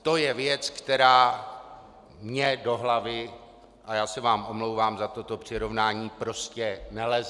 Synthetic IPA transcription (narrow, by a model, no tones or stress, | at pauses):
t̪o̞jɛvjɛt͡skt̪ɛɾaː | mɲɛdo̞ɦlavɪ | ʔajaːsɛvaːmʔo̞mlowvaːmzat̪o̞t̪o̞pr̥ɪɾo̞vnaːɲiːpɾo̞scɛnɛlɛz